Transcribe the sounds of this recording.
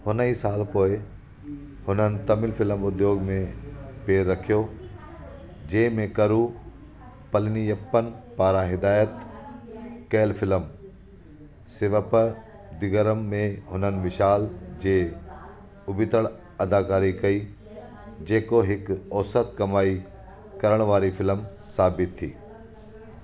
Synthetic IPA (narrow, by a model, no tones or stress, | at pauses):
hʊnəisaːlpoːɪ | hʊnənɪ̆t̪ɐmɪlfɪləmʊd̪joːɡmẽpeːɾːɐkʰijo | d͡ʑeːmẽkɐɾu | pɐlnijɐpːənpaːɾãɦɪd̪aːjət̪ | kɛːlfʰɪləm | sɪʋəpə | d̪ɪɡəɾəmːẽɦʊnənɪ̆ʋɪʃaːld͡ʑeː | ʊbɪt̪əɭ | ɐd̪aːkaːɾikɐiː | d͡ʑeːkoɦɪkɔːsət̪kɐmaːi | kɐɾəɽ̃ʋaːɾifɪləm | saːbɪt̪ʰːḭː